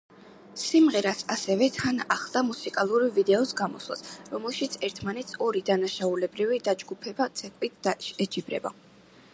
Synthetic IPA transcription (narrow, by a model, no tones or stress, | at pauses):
simʁɛɾasasɛvɛt̪ʰanaχlˠd̪amusikʼalˠuɾivid̪ɛɔsɡamɔ̰swlˠa̰sɾɔmɛlˠʃit̪sʰɛɾt̪ʰmanɛt̪sʰɔɾid̪anaʃaulɛbɾivid̪ad͡ʒɡupʰɛbat̪sʰʼɛkʼwit̪̚ʰd̪̥aʃɛt͡ʃʰibɾɛ̰ba̰